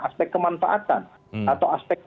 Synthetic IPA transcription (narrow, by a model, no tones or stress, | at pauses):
aspɛkkəmanfa̰ʔat̪an | at̪awaspɛk